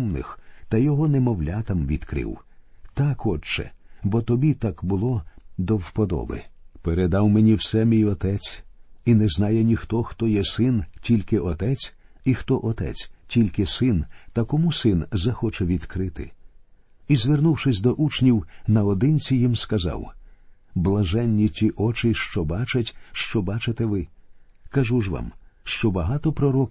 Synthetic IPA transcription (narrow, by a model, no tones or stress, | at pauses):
nɪ̰xt̪ɐjɔɦɔnɛmɔwlʲat̪ɐmʋʲḭd̪kɾɪ̰wt̪akɔt͡ʃɛ̰bɔt̪ɔbʲit̪akbʊlˠɔd̪ɔwpɔd̪ɔ̰bɪ̰peɾed̪ɑwmenʲiwsɛmʲijɔt̪ɛt͡sʲinɛznɑjɛnʲixt̪ɔxt̪ɔjɛsɪntʲilʲkɪʔɔt̪ɛt͡sʲ | ixt̪ɔʔɔt̪ɛ̰t͡sʲtʲilʲkɪsɪnt̪ɐkɔmusɪnzɐxɔt͡ʃɛʋʲid̪̥kɾɪt̪ɪ̰ | izʋernuwʃɪsʲd̪ɔʔut͡ʃnʲiwnɐɔd̪ɪnʲt͡sʲijimskɐzɑ̰w | blˠɐʒɛnʲːitʲiʔɔt͡ʃɪʃt͡ʃɔbɑt͡ʃɐtʲʃt͡ʃɔbɑt͡ʃɪt̪ɛʋɪkɐʒuʒʋɑ̰mʃt͡ʃɔbɐɦɑt̪ɔpɾɔɾɔkʲ